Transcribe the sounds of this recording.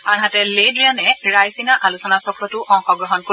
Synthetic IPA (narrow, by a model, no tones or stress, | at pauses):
anɦatɛledɹijanɛɹajsinaʔalusɔnasɔkɹɔtʊʔɔŋxɔɡɹɔɦɔnko